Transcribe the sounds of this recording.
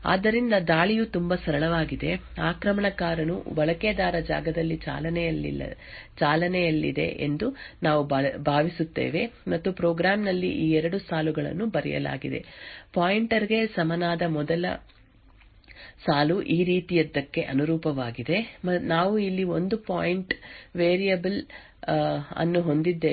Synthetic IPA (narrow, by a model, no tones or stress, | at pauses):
a̰ːd̪ːɐɾind̪ɐd̪aːɭijut̪umbɐsɐɾɐɭɐʋaːɡid̪e̞aːkɾɐmɐɳɐkaːɾɐnṵʋɐɭɐked̪aːɾɐd͡ʒa̰ːɡɐd̪ɐlːit͡ʃa̰ːlɐnɛjɐlːḭlːɐ̰t͡ʃaːlɐnɛjɐlːḭd̪e̞̰ʔḛnd̪unaːʋubʱaːʋisut̪ːḛːʋe̞mɐt̪ːupɾɔːɡɾaːmnɐlːḭʔiːɛɾɐɽusaːluɡɐɭɐ̰nːubɐɾɛ̰jɐ̰la̰ːɡid̪e̞̰paːjiɳʈɐɾiɡe̞sɐmɐnaːd̪ɐmɔd̪ɐlɐ̰ | saːluʔiːɾiːt̪ijɐd̪ːɐkːe̞ʔɐnuɾuːpɐʋaːɡid̪e̞mnaːʋuilːio̞nd̪upaːjiɳʈʋeːɾijɐbɐl | ɐ̰nːuɦo̞nd̪id̪ːe